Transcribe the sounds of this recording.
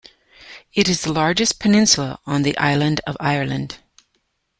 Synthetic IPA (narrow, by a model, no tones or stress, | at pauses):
ɨɾɨzðəlɑɹd͡ʒɨspʰɨnɪ̃nsl̩ˠəə̃nðiʔa̰ɪlˠɨ̃ndʌvaɪə˞lˠɨ̃nd̥